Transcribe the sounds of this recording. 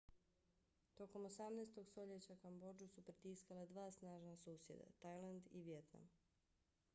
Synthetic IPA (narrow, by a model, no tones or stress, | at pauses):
t̪o̞ko̞mosamnaːst̪o̞ɡst̪o̞ʎet͡ɕakambo̞d͡ʒusupɾit̪iːskalad̪ʋaːsnaːʒnasuːsje̞̰d̪a̰t̪ajlˠand̪iʋje̞t̪na̰m